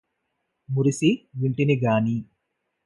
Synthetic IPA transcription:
muɾisiʋiɳʈiniɡaːni

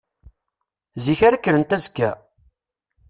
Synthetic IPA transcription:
ziçæɾækːəɾənt̪æzkːæ

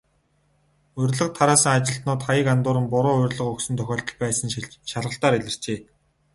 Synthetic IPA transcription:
ɵrʲɮə̆q̚t̪ʰːaɾaːsə̆ŋat͡ɕɪ̆ɬt̪nʊːt̪χajə̆kant̪ʊːɾə̆mpʊɾʊːʊ̟rʲɮə̆χɵksɵ̆nt̪ʰœxʲɔːɮt̪ə̆ɮpæːsə̆nʃaɮʁə̆ɬt̪aːɾiɮʲɘ̆r̥t͡ɕeː

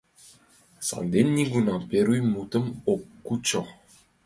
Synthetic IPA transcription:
sa̰ld̪enʲːiɡunɑpeɾujmut̪əmokːut͡ɕo

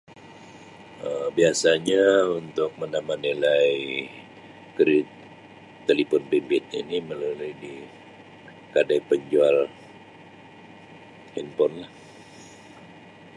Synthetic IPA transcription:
əbiasaɲaunt̪ʊk̚məndamanilaj | kəɾɪt̪ː | əlipɔnbembɛt̪̚ɲainiməlulujdi | kadajpəɲd͡ʒual | hɛnpɔnlah

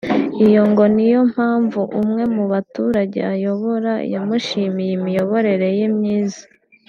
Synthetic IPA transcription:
ijo̞ŋɡo̞nijo̞m̥haːɱvuʔumŋe̞muβatuːɾaɟe̞̰ajo̞βo̞ɾa̰jamuʃiːmijemijo̞βo̞ɾe̞ɾe̞jimɲiːzḁ

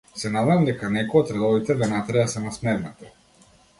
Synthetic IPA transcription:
sɛnad̪ɛjamd̪ɛkanɛkɔɔt̪ɾɛd̪ˠɔvit̪ɛd̪anat̪ɾɛasɛmasmɛɾnat̪ɛ

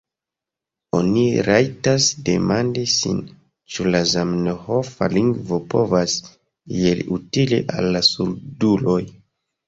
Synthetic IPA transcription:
o̞̰niɾajtasde̞mandisḭn | t͡ʃulazamnoho̞fa̰liŋɡvo̞po̞vas | elḭutilḭʔa̰lːasuɾdulo̞j

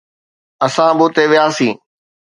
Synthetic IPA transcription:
ɐsãbʊːt̪eʋɪjaːsĩː

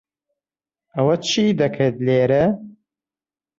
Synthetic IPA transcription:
ɐwɐt͡ʃʰiːd̪ɐkʰeːt̪̚leːɾɐ

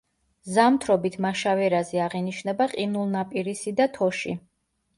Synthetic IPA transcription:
zamt̪ʰɾɔbit̪ʰmaʃavɛɾazɛaʁɛniʃnɛbaqʼinulˠnapʼiɾisid̪at̪ʰɔʃḭ

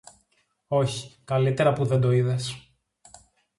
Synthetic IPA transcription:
o̞çi̥kɐlit̪e̞ɾɐpuðe̞nd̪o̞iðes

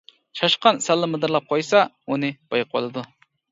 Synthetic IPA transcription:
t͡ʃʰɑʃqɑnsɛlˠːɨmɨd̪ɨɾlˠɑp̚qʰɑjsɑ | unɨb̥ɑjq̚bo̰lˠɨd̪u

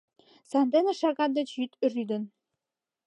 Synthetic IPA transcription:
sɑnd̪enĕʃɑɣɑnd̪ĕt͡ɕjyt̪ryd̪ə̆n

